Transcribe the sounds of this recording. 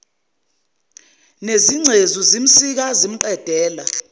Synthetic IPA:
neziŋ͡ǀʱezuzim̩sik̬azim̩ǃɛd̥ʱɛːla

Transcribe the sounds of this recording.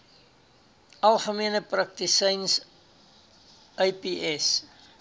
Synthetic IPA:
ɐlˠχəmiənəprɐk̚tisəjns | ʔəjpiɛs

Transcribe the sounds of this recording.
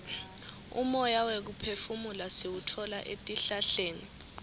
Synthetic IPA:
ṵmɔjawek̬upʰefumulasewutʰɔlaʔetʼiɬaɬeːni

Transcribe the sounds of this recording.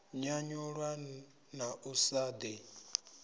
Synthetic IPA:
ɲaɲuɺwa | naʔusad̪i

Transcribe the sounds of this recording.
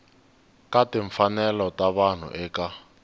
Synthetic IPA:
kateɱfanɛlɔtaβan̤ṵʔɛka

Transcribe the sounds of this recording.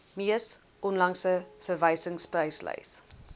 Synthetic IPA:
miəs | ʔɔnlɐŋsəfərvəjsəŋsprəjslə̰js

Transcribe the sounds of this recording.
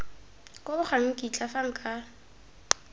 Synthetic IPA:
kʼʊbʊχaŋ̩kʼit͡ɬʼafaŋ̩kʼa

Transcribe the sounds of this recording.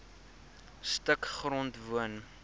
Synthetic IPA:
stəkχrɔntvuən

